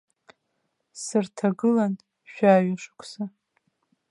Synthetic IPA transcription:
sɨrtʰaɡɨlan | ʃᶣaːɥaʂɨkʷʼʰsa

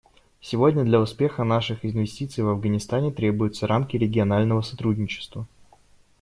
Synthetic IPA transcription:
sʲɪvo̞dʲnʲəd̪lʲɐʊspʲe̞xənaʂɨxɪnvʲɪsʲtʲit̪sɨjvɐvɡənʲɪst̪anʲɪt̪ɾʲe̞bʊjʊt̪səɾamkʲɪɾʲɪɡʲɪɐnalʲnəvəsɐt̪ɾudʲnʲɪt͡ɕɪ̥st̪və

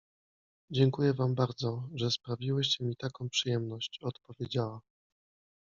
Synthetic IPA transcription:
d͡ʑɛŋkujɛvambaɾd̪zɔʐɛspɾavʲiwɛt͡ɕɛmʲit̪akɔ̃w̃pʂɨjɛmnɔɕt͡ɕɔt̪pɔvʲjed͡ʑawa

